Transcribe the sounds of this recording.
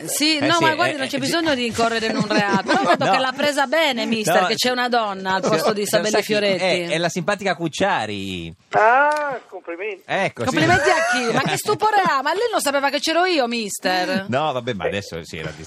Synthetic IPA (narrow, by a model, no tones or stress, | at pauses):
sinɔmaɡwaɾd̪inont͡ʃɛbizoɲːod̪iːŋkorːeɾeinunreat̪onɔ̃kvɛd̪okelapːɾɛːzabɛːnemist̪eɾket͡ʃːɛunad̪ɔnːaːlpɔst̪od̪isabɛlːifjoɾet̪iɛlasimpaːt̪ikakut͡ʃːaːɾḭ | akompliment̪ɛkːokopliment̪iakːimakːest̪upoːɾeamalːinːõnsapeːvaket͡ʃːɛːɾoiːomist̪ernɔvabɛma̰d̪ɛsːo̰sḭɛ̰ɾa̰d̪ḭ